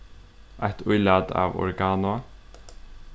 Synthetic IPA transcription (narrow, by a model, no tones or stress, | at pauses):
ajht̪ʰʊjlaːd̪a̰ːvɔ̰ɹɡaːnʊa